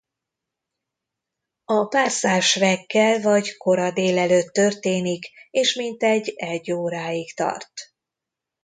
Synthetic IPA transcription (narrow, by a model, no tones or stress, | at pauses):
ɒpaːrsaːʃvɛkːɛlvɒɟko̞ɾɒd̪eːlɛløːt̪ːø̞rt̪eːnikeːʃmint̪ɛɟːɛɟːoːɾaːikt̪ɒ̰rt̪